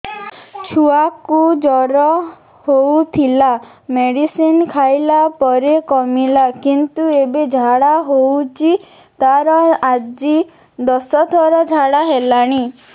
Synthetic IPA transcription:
t͡ʃʰuakud͡ʒɔɾɔ | howt̪ʰila | meɽisinkʰajlapɔɾekɔmilakint̪uebed͡ʒʱaɽaɦowt͡ʃʰi | t̪aɾɔad͡ʒi | d̪ɔsɔt̪ʰɔɾɔd͡ʒʱaɽaɦelaɽ̃i

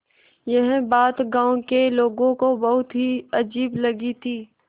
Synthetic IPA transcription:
jɐɦbaːt̪ɡãːõkeloːɡõkobɐɦʊt̪ɦiɐd͡ʒiːblɐɡit̪ʰiː

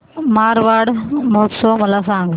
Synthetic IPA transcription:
maɾʋaɽməɦət̪sɔməlasaŋɡ

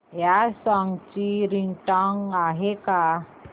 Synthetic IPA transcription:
jasɔŋɡt͡ɕiɾiŋʈɔŋɡaɦeka

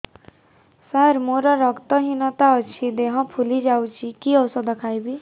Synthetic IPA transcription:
saɾmoɾɔɾɔkt̪ɔɦinɔt̪aɔt͡ʃʰid̪eɦɔ̃pʰulid͡ʒawt͡ʃʰikiɔwsɔd̪ɔkʰajbi

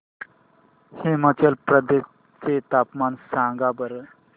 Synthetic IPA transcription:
hemət͡ɕelpɾəd̪es | t͡set̪apmansãŋɡabəɾə

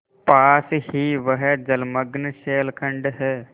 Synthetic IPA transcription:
paːsɦiʋəɦɛd͡ʒəlməɡnʃeːlkʰə̃ɳɖɦɛː

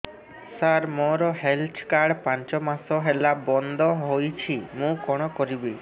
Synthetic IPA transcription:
saɾmɔɾɔɦelt͡ʃʰkaɾɽpaɲt͡ʃɔmasɔɦelabɔnd̪ʱɔɦojt͡ʃʰimũkɔɽ̃ɔkɔɾibi

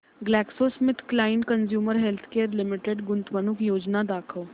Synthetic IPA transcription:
ɡlɛːksoːsmɪt̪ʰklaːɪnkənzjuːməɾɦɛlt̪ʰkeːəɾlɪmɪʈeɖɡʊnt̪ʋənʊkjoːd͡ʒnaːd̪aːkʰoː

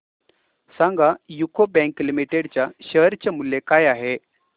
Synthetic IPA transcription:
sãŋɡajukʰobɛ̃ŋklimiʈeɽt͡ɕjaɕəɦɾt͡ɕamuljekajaɦe

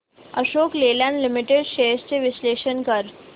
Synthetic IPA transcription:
əʃoːkleːlɛ̃ːnɖlɪmɪʈeɖʃeːst͡ʃeʋɪsleːʃənkɐɾ

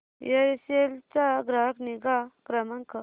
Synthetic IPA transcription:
jeɾiselt͡saɡɾaːkniɡakɾɐmɐŋkə

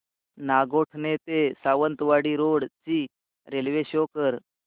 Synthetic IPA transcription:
naɡoʈʰnet̪esaʋənt̪ʋaɽiɾoɽt͡ɕiː | ɾelʋeɕokəɾ

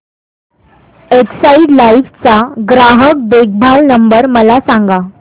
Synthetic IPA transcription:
eksaiɖlaiʋt͡saɡɾaɦək̚bek̚bʱaɭnəmbəɾməlasãŋɡa

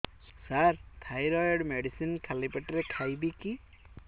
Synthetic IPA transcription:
saɾt̪ʰajɾɔjɖmeɖisinkʰalipeʈɾekʰajbiki

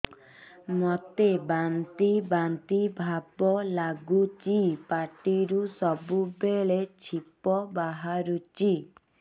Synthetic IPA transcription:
mɔt̪ebant̪ibant̪ibʱabɔlaɡut͡ʃipaʈiɾusɔbubeɭet͡ʃʰipɔbaɦaɾut͡ʃi

